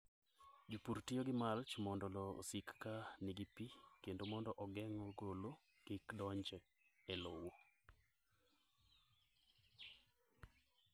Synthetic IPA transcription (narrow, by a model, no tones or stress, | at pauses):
d͡ʒupurtioɡɪmalt͡ʃmɔndɔlɔo̰sikːanɪɡipikendomɔndɔʔɔɡɛŋɔɡolo | kikdɔɲd͡ʒɛ | elowo